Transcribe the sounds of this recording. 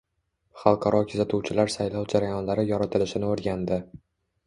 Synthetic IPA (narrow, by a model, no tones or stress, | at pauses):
χɑlˠqʰɑɾɒkʰʊzat̪ʰuwt͡ʃʰɪlaɾsajlɒwd͡ʒaɾajɒnlaɾɪjɒɾat̪ʰɪlɪʃɪnɪoɾɡʲand̪ɪ